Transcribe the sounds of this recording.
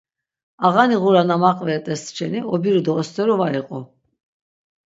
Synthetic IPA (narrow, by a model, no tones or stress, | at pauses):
aʁaniʁuɾanamaqʼvɛɛt̪ʼɛst̪t͡ʃʰɛniɔbiɾud̪ɔːst̪ʰʼɛɾɔvaiqʼɔ